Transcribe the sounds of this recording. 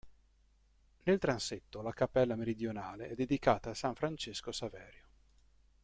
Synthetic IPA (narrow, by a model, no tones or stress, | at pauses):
nelt̪ɾanset̪ːolakapːɛlːameɾid̪jonaːleɛd̪ːed̪ikaːt̪aːsaɱfɾant͡ʃeskosavɛːɾjo